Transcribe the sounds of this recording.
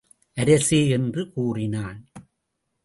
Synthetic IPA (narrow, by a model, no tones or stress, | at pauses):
ʔɐɾɐseːɛndrɯkuːrɪnaːn